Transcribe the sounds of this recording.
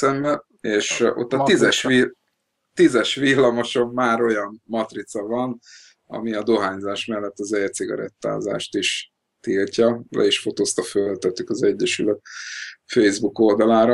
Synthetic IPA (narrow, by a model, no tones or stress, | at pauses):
ɛmbɛ | eːʃo̰t̪ːɒt̪izɛʃil | t̪izɛʃʋilːɒmo̞ʃo̞mːaːɾo̞jɒnːɒt̪rit̪sɒvɒn | ɒ̰miɒd̪o̞ɦaːɲzaːʃmɛlːɛt̪ːɒzɛt̪siɡɒ̰ɾɛ̰t̪ːa̰ːza̰ːʃt̪iʃ | t̪ilcɒlɛ̰iʃfo̞t̪oːst̪ɒfølt̪øt̪ːykɒzɛɟːɛʃy̰l | fejzbuko̞ld̪ɒlaːɾɒ